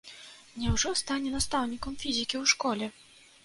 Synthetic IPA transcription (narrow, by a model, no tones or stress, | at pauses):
nʲɛwʐɔst̪anʲɛnast̪awnʲikɐmfʲizʲikʲiwʂkɔlʲɛ